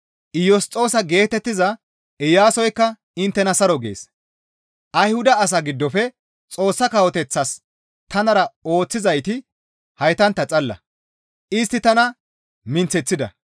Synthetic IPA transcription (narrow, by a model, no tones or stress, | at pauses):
ʔɪjɔst͡sʼo̞ːsɐɡe̞ːt̪ɛt̪ːɪzɐ | ɪjaːsɔjkːɐ | ɪnt̪ːɛnɐsɐɾɔɡe̞̰ːs | ʔɐjhʊd̪ɐːs̬ɐɡɪd̪ːɔfɛ | t͡sʼo̞ːsːɐkɐwɔt̪ɛt͡sːɐs | t̪ɐnɐɾɐo̞ːt͡sːɪzɐjt̪ɪ | hɐjt̪ɐnt̪ːɐt͡sʼɐlːɐ̰ | ʔɪst̪ːɪt̪ɐnɐ | mɪnt͡sɛt͡sːɪd̪ɐ̰